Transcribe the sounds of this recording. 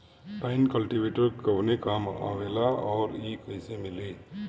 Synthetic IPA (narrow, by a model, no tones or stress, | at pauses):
pajnkəlʈibeʈəɾkɔwnekama̰welaɔɾikəjsemili